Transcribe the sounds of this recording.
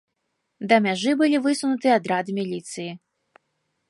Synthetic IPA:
d̪ɐmʲaʐɨbɨlʲivɨsunut̪ɨad̪ɾad̪ɨmʲilʲit̪sɨji

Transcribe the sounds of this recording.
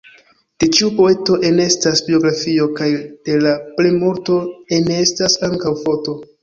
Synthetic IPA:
d̥e̞t͡ʃiupo̞e̞to̞ʔe̞ne̞stasbio̞ɡɾafio̞kajd̥e̞laplemoɾto̞enestasaŋkawfo̞to̞

